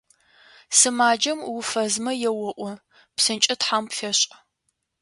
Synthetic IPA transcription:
sɨmaːd͡ʒɐmwʊfɐzmɐjɛwɔʔʷɔ | psɨnt͡ʃʼɪtħampfɐɕʼ

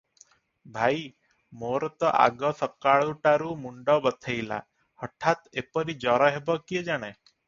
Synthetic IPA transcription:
bʱaj | moɾɔt̪ɔʔa̰ɡɔsɔkaɭuʈaɾumuɳɖɔbɔt̪ʰejla̰ | hɔʈʰːat̪epɔɾid͡ʒɔɾɔɦebɔkied͡ʒaɽ̃e

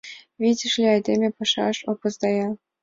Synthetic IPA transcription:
βʲidʲɘ̆ʃlʲĕɑjd̪emʲepɤ̆ʃɑ̰ʃopɤ̆zd̪ɑjɑ

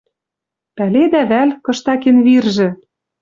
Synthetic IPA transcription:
pæled̪æβælkɤ̆ʃt̪ɑkenβirʒɘ̆

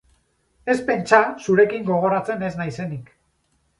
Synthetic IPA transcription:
e̞spe̞nt͡ʃasuɾe̞kiŋɡo̞ɣ̞o̞ɾat͡se̞ne̞znajse̞nik

